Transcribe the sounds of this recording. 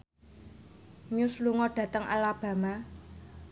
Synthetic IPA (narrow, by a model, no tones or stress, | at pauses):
ɲʊsluŋɔɖ̥ä̤t̪əŋʔa̰lab̥a̤ma